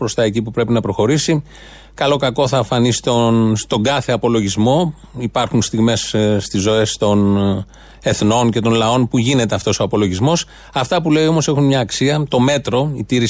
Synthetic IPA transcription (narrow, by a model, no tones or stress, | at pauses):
pɾo̞st̪ɐe̞cipupɾe̞pinɐpɾo̞xo̞ɾisi | kɐlo̞kɐko̞θɐfɐnisi̥t̪onst̪o̞ŋɡɐθe̞ɐpo̞lo̞ʝizmo̞ | ipɐɾxunst̪iɣme̞sst̪izːo̞e̞st̪o̞n | e̞θno̞ncet̪o̞nlɐo̞npuʝine̞t̪e̞ɐft̪o̞soɐpo̞lo̞ʝizmo̞s | ɐft̪ɐpule̞io̞mo̞se̞xunmɲɐːksiɐt̪o̞me̞t̪ɾo̞it̪iɾi